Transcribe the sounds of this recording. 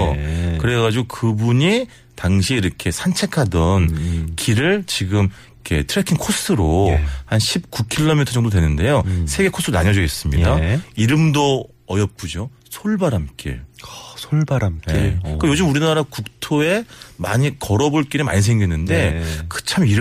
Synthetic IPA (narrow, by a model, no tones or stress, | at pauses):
okɯɾe̞ɡad͡ʑiɡokɯbuɲi | taŋɕʰieiɾʌkʰe̞sʰant͡ɕʰe̞kʰadʌnkiɾɯɭt͡ɕiɡɯmikʰe̞̰tʰɯɾekʰinkʰos͈ʰɯɾohanɕʰip̚kukʰiɭːomitʰʌd͡ʑʌŋdodwe̞nɯnde̞josʰe̞ɡekʰos͈ʰɯɾona̰ɲʌd͡ʑʌɡis͈ɯmɲidaiɾɯmdo | ʌjʌp̚p͈ud͡ʑo | sʰoɭbaɾamk͈ḭɭsʰoɭbaɾamek͈ajod͡ʑɯmuɾinaɾakuk̚tʰoe̞ma̰ɲikʌɾʌboɭk͈iɾema̰ɲis̬ʰe̞ŋɡinːɯnde̞kɯ̥t͡ɕʰamiɾ